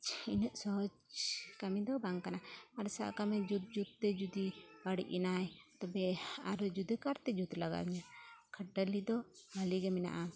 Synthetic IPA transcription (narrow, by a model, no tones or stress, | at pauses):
t͡ʃʰinəʔsɔɦɔd͡ʒkamid̪ɔbaŋkanaaɾsa̰ʔkamɛd͡ʒut̪̚d͡ʒut̪̚ːɛd͡ʒud̪ibaɽḭʔinajt̪ɛbɛaɾd͡ʒud̪ikaɾt̪ɛd͡ʒut̪laɡa̰ɲakʰəɖəlid̪ɔbaliɡɛmɛna̰ʔa